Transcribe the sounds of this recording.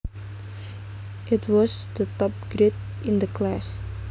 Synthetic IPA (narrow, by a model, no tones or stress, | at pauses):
ʔɪt̚wɔsd̪ətɔp̚ɡ̥ɾɪt̚ | ɪ̃nd̪əkʰlas